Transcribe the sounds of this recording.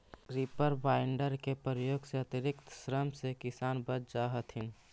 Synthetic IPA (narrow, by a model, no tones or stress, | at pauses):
ɾipəɾbaːɪɳɖəɾkepɾɾəjoːɡseɐt̪ɪɾɪkt̪sɾəmsekɪsaːnbət͡ʃd͡ʒaɦət̪ɦɪn